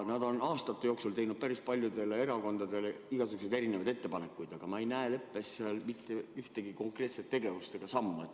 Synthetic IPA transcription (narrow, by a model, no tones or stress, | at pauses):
nɑd̪o̞nɑːst̪ɑt̪ːejo̞ːksult̪e̞jnud̪̥̚pæɾispɑlʲjud̪e̞lːee̞ɾɑko̞nd̪ɑd̪e̞leiɡ̥ɑsyɡ̥use̞d̪eɾinevɑjd̪e̞t̪ːe̞pɑne̞kːˑujd̪̥ɑɡ̥ɑmɑejnæelepːˑe̞sːeɑlmit̪ːˑe̞yht̪e̞ɡ̥iko̞ŋkre̞ːt̪se̞t̪ːe̞ɡe̞vust̪e̞ɡ̥ɑsɑmːuet̪ː